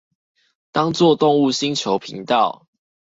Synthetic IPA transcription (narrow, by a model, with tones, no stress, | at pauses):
t̪a˦ŋt͡swɔ˥˨t̪ɔ˥˧ŋu˥˨ɕi˦ŋt͡ɕʰjo˨˦ʊpʰḭ˨˦ŋt̪ɑ˥˨ʊ